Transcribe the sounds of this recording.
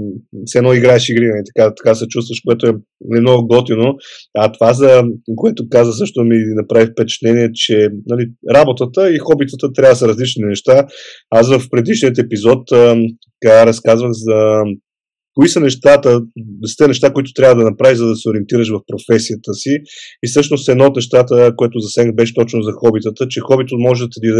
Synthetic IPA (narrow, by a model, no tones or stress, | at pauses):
sɛnɔiɡɾaɛʃiɡɾinɐlit̪ɐ̥kat̪ɐ̥kasɛt͡ʃust̪vəʃkoɛt̪ʊɛ | nɛmnɔɡɔt̪inoɐt̪ovazɐkoɛt̪okazvəsɤʃt̪ominɐpɾavifpɛt͡ʃt̪nɛniɛt͡ʃɛnɐliɾabot̪ət̪əixɔbit̪ət̪ət̪ɾʲab̪səɾɐzlit͡ʃninɛʃt̪a | as̬vəfpɾɛd̪iʃniət̪ɛpizɔt̪ː | kaaɾɛskazvəxzɐ | koisənɛʃt̪at̪əsi̥t̪ɛnɛʃt̪akoit̪ʊ̥t̪ɾʲavəd̪ɐnɐpɾavizɐd̪ɐsɛoɾiɛnt̪iɾəʃvɐfpɾofɛsijət̪əsiisɤʃnost̪ɛd̪not̪nɛʃt̪at̪əkoɛt̪ʊzɐsɛnbɛʃɛ̥t̪ɔt͡ʃnʊzɐxɔbit̪ət̪ət͡ʃɛxɔbit̪əmɔʒɛt̪d̪i